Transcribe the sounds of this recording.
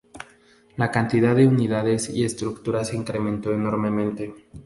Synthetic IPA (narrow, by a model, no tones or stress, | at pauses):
lakant̪iðaðeuniðaðe̞sḭe̞st̪ɾukt̪uɾase̞iŋkɾe̞mẽnt̪o̞eno̞ɾme̞mẽ̞nt̪e̞